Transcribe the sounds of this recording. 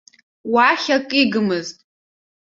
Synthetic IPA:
waχʲakʼiɡɨmɨztʼ

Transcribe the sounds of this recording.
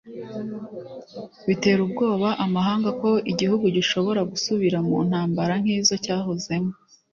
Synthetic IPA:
βite̞ːɾubɡo̞ːβaʔamaɦaːŋɡako̞ʔiɟihuɡuɟiʃo̞βo̞ɾaɡusuβiɾamuːn̥haːmbaɾaŋ̥hiːzo̞caːɦoze̞mo

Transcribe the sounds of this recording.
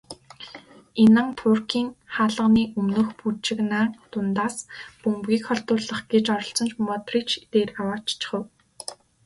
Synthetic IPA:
enə̆ŋt̪ʰʊrkiːŋχaːɮə̆ʁniːʔɵmnɵ̆ːxput͡ɕɪ̆knaːŋt̪ʊnt̪aːspɵmpɣʲiːkχɔɬt̪ʊːɮə̆χɡet͡ɕɔɾɞ̆ɬt͡sɞ̆nt͡ɕmɔt̪riːt͡ɕʰt̪eːrawaːt͡ɕt͡ɕɪ̥̆χə̆w

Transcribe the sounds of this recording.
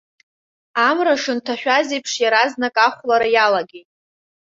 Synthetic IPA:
amraʂɨntʰaħᶣazejpʰʂjaɾaznakʼaχʷlaɾajalaɡʲejtʼ

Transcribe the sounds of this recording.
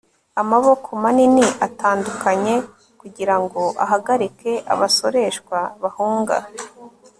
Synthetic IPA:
amaβo̞kʰomaniniʔataːndukaɲe̞ | kuɟiɾaŋɡo̞ʔa̰ɦaɡaɾike̞ʔa̰βaso̞ɾe̞ʃkwaβahuːŋɡa̰

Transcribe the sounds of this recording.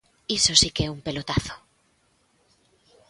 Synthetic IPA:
iso̞sikeumpe̞lot̪aθo̥

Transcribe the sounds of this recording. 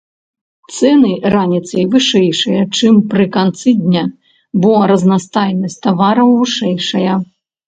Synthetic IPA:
t̪sɛnɨranʲit̪sɐjvɨʂɛjʂɐjɐt͡ʂɨmpɾɨkant̪sɨd̪ʲnʲa | bɔɾɐznast̪ajnɐsʲt̪avaɾɐmvɨʂɛjʂɐjɐ

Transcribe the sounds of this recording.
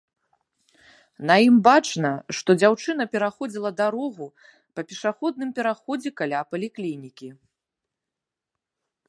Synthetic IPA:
nɐjimbat͡ʂnɐʂt̪ɔd͡zʲawt͡ʂɨnɐpʲɛɾaxɔd͡zʲilˠɐd̪aɾɔɣu | pɐpʲɛʂaxɔd̪nɨmpʲɛɾaxɔd͡zʲɛkalʲapɐlʲiklʲinʲikʲi

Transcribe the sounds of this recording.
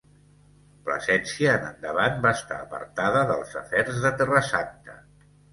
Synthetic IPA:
plə̰zɛnsiəːnə̰nd̪əβanbaəst̪a̰ːpə̰ɾt̪aðəðəlˠzəfɛrzðət̪ɛrəsant̪ə

